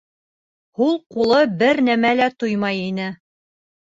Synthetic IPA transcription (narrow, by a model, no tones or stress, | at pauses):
hulˠqulˠɤbɘɾnæmælæt̪ujmɑjinɘ